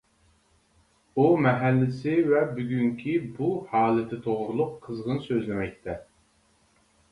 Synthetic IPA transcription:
umɛɦælːɪsɪvɛbyɡʲyŋkʲʰibuhɑːlˠɪt̪ʰɪt̪ʰoʁɾulˠʊqʰːəzʁənsøzlɪmɛk̚ʲt̪ʰɛ

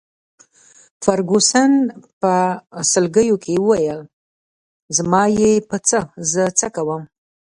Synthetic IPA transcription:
faɾɡosanpəsəlɡəjokʰewəwajəl | zmɑjepət͡səzət͡səkawəm

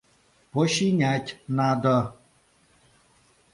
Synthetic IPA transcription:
pɔʃiɲatʲnad̪ɔ

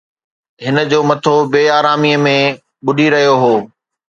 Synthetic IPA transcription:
ɦɪnə̆d͡ʑoːmɐt̪ʰobeːaːɾaːmiəmẽ | ɓʊɖʱiɾɐɦijoɦoː

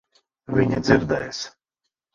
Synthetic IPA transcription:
vʲiɲad̪ziɾd̪ɛjs

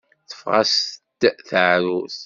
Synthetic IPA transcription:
θə̥fʁɑ̰st̪ːθʕɾuθ

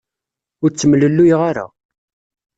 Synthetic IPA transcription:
ʊɾt͡sːəmləlːujʁaɾa̰

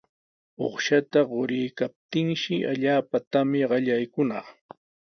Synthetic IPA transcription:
o̰χʃat̪aɢoɾɪjkap̚t̪ɪŋʃɪʔaʎaːpat̪amɪɢɑʎajkʊnɑχ

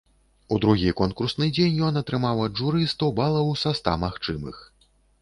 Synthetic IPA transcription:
ud̪ɾuɣʲikɔnkursnɨd͡zʲenʲjɔnɐt̪ɾɨmawɐdʐuɾɨst̪ɐwbalˠɐwsast̪a̰maxt͡ʂɨmɨ̰x

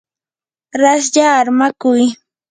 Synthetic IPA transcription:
ɾas̬ʎaːɾmakʊj

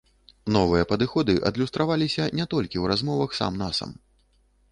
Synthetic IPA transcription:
nɔvɨjɐpɐd̪ɨxɔd̪ɨʔɐ̰d̪lʲust̪ɾavalʲisʲɐnʲɛt̪ɔlʲkʲiwɾazmɔvɐxsa̰mnasɐ̰m

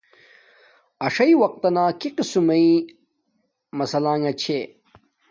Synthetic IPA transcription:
ɐʂɐiwɐq̚t̪ɐnaːkiqisumɐi | mɐsɐlãːŋɐt͡ɕʰe

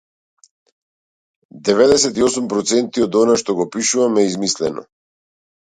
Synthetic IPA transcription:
d̪ɛvɛd̪ɛsɛt̪iɔsumpɾɔt̪sɛnt̪iɔd̪ɔnaʃt̪ɔɡɔpiʃuvamɛizmislɛnɔ̰

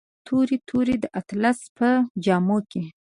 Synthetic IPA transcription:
t̪ʰuɾit̪ʰuɾid̪əʔat̪laspəd͡ʒɑmoke

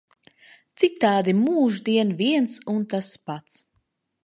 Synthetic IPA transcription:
t̪sit̪aːd̪imuːʒd̪iɛnviɛnsunt̪aspat̪s

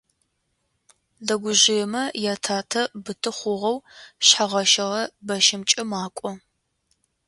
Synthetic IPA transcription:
dɐɡʷʊʑɪjɛmɐjaːtʰaːtʰɐbɨtʰɨχʷʊʁɐwɕħaʁɐʃɐʁɐbɐʃɪmt͡ʃʼɪmaːkʷʼɔ

